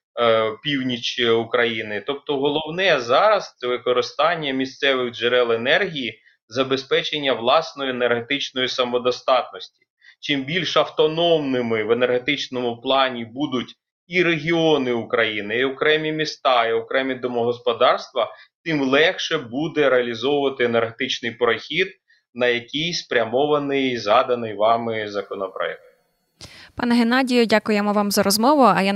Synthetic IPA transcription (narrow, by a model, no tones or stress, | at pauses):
pʲiwnʲit͡ʃiukɾɐjinɪt̪ɔp̚t̪ɔɦɔlˠɔwnɛzɑɾɐst̪sɛʋɪkɔɾɪst̪ɑnʲːɐmʲist̪sɛʋɪɣd͡ʒeɾɛlˠenɛrɦʲiji | zɐbe̞spɛt͡ʃenʲːɐʋlˠɑsnɔjienerɦet̪ɪt͡ʃnɔjisɐmɔd̪ɔst̪ɑt̪nɔsʲtʲi̥ | t͡ʃɪmbʲilʲʃɐwt̪ɔnɔmnɪmɪʋenerɦe̞t̪ɪt͡ʃnɔmʊplˠɑnʲibud̪ʊtʲ | iɾeɦʲiɔnɪukɾɐjinɪiɔkɾɛmʲimʲist̪ɑiɔkɾɛmʲid̪ɔmɔɦɔspɔd̪ɑrst̪ʋɐt̪ɪmlˠɛxʃɛbud̪ɛɾeɐlʲizɔʋʊʋɐt̪ɪenerɦet̪ɪt͡ʃnɪjpɾɔxʲid̪̚ | nɐjɐkʲijspɾʲɐmɔʋɐnɪjzɑd̪ɐnɪjʋɑmɪzɐkɔnɔpɾɛ̰ɦe | pɑnɛɦenɑdʲijʊdʲakʊjemɔʋɑmzɐɾɔzmɔʋʊɐja